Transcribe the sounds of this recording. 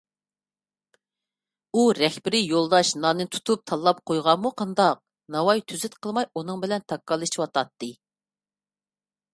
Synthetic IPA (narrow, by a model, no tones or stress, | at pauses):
uɾɛxbɪɾɪjolˠd̪ɑʃnɑːnɨt̪ʰu̥t̪ʰup̚t̪ʰɑlˠːɑp̚qʰojʁɑmːuqʰɑnd̪ɑq̚ | nɑwɑjt̪ʰyzɪt̪qʰəlˠmɑjunɨŋbɪlɛnt̪ʰɑkːɑlˠɨʃiwɑt̪ʰɑt̪ːɨ